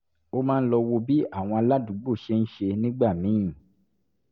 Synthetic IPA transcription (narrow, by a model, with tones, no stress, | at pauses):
o˧mãː˦˧n̩˦lɔ˧wo˧bi˨˦a˦˨w̃ɔ̃˧a˧la˦dũ˨˦ɡ͡bo˦˨ʃe˧n̩˦ʃe˧nĩ˦ɡ͡ba˦˨mĩ˨˦ĩ˨